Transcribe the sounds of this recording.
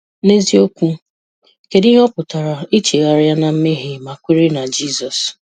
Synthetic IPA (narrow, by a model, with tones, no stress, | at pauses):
ne˦zi˦o˦kʷu˦ | ke˨dɪ˦ɦɔ˦pʊ˨ta˨ɾa˨i˦t͡ʃe˨ɣa˨ɾa˦na˨m̩˦me˦ɦɪ˨ma˨kʷi˦ɾe˦na˨d͡ʒi˦˨zɔ˨s